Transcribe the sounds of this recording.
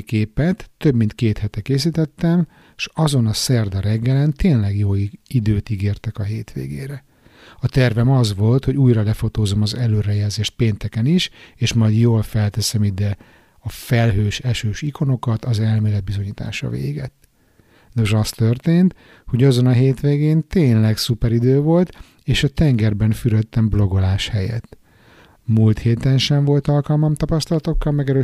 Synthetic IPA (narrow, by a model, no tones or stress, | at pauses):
keːpɛt̪ːøbmint̪keːt̪hɛt̪ɛkeːs̬it̪ɛt̪ːɛm | ʃɒzo̞nɒsɛrd̪ɒɾɛɡːɛlɛnt̪eːnlɛɡjoːid̪øːt̪iɡeːrt̪ɛkɒɦeːt̪ʋḛːɡḛːɾɛ | ɒt̪ɛrvɛmɒzʋo̞lt̪ho̞ɟuːjrɒlɛfo̞t̪oːzo̞mɒzɛløːɾɛjɛlzeːʃt̪̚peːnt̪ɛkɛniʃeːʃmɒjd̪joːlfɛlt̪ɛsɛmid̪ɛ | ɒfɛlɦøːʃɛʃøːʃikʰo̞no̞kɒt̪ɒzɛlmeːlɛd̪̚bizo̞ɲiːt̪a̰ːʃɒ̰vḛːɡɛt̪ː | noʒɒst̪ørt̪eːnt̪ | ho̞ɟɒzo̞nɒɦeːt̪ʋeːɡeːnt̪eːnlɛksupɛɾid̪øːvo̞lt̪ | eːʃɒt̪ɛŋɡɛrbɛnfyɾøt̪ːɛmblo̞ɡo̞laːʃhɛjɛ̰t̪ː | mult̪heːt̪ɛnʃɛɱvo̞lt̪ɒlkɒlmɒmt̪ɒpɒst̪ɒlɒt̪o̞kːɒlmɛɡɛɾøː